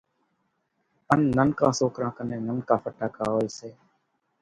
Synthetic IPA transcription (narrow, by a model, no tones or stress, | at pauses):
ənːənkãːsoːkɾãːkəneːnənkaːpʰəʈaːkaːoːseː